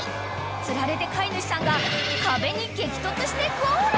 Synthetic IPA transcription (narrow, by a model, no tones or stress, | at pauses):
t͡sɨɾaɾe̞t̪e̞kʰainɯɕi̥sãŋɡakabe̞ɲ̟ike̞kʲi̥t̪ot̪ːoɕi̥t̪eko